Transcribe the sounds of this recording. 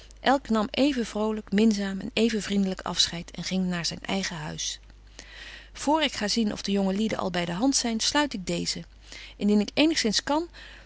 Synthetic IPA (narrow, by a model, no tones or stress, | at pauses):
ʔɛlˠknɑmejvənvrowləkmɪnzaːmɛ̰nejvənvrindələkɑ̰fsχɛjtɛ̰nχɪŋnaːɹzɛjnʔɛ̰jχəɦœ̰ɥs | v̥ʊːɹɪkχaːzinʔɔ̰vdəjɔŋəlidə̰nʔɑ̰lˠbɛjdəɦɑntsɛjnslœɥtɪɡ̚dejzə | ɪndinɪkejnəχsɪnskɑn